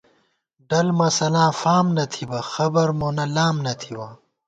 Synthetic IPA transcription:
ɖɐlmɐsɐlãːfaːmnɐt̪ʰibɐxɐbɐɾmoːnɐlaːmnɐt̪ʰibɐ

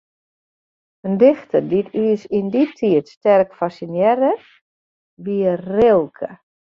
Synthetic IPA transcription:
əndɪxtəditʰyəsinditʰiətstɛrkfasinjɛɾə | ʋiərɪlˠkʰə

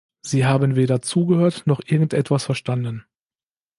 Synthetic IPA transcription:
z̥iːɦaːbənveːɾɐt͡suːɡəhøːɐtnɔχʔɪɐɡŋ̩tʔɛtv̥asfɛɐʃtandən

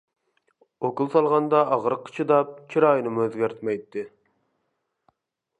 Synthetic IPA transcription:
okulˠsɑlˠʁɑnd̪ɑːʁəɾqʰːə̥t͡ʃʰɨd̪ɑp̚t͡ʃʰiɾɑːjinɨmuøzɡʲæɾt̪ʰmɛjt̪ːɪ

